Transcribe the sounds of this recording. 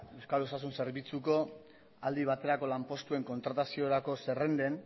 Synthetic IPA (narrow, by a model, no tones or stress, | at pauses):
e̞wskalosas̬unse̞ɾβit͡suko̞ | ald̪iβ̞at̪e̞ɾako̞lampo̞st̪ue̞ŋko̞nt̪ɾat̪asio̞ɾako̞se̞re̞nd̪e̞n